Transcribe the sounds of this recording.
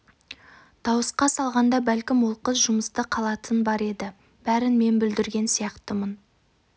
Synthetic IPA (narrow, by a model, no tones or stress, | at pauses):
d̪̥ɑwəsqɑsɑlˠʁɑnd̪ɑbælkʲɪmwo̞lˠqəsʒʊməst̪əqʰɑlˠɑt̪ʰənbɑɾe̞d̪ɪ | b̥æɾɪnme̞nbʏld̪ɪɾɡʲe̞nsijɑqt̪əmən